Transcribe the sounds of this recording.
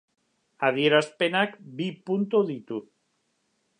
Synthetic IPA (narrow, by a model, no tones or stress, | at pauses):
aðjeɾaspenakbipunt̪oðit̪u